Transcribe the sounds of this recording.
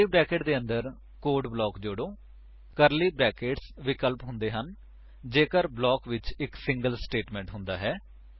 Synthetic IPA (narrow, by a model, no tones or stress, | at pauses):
iːbɾɛːkeːʈd̪eːənd̪əɾ | koːɾɖblɔːkd͡ʒʊɽoː | kəɾliːbɾɛːkeːʈsʋɪkəlpɦʊ̃nd̪eːɦən | d͡ʒeːkəɾblɔːkʋɪt͡ʃɪksɪ̃ŋɡəlsʈeːʈmɛ̃ːɳʈɦʊ̃nd̪a̰ːɦɛː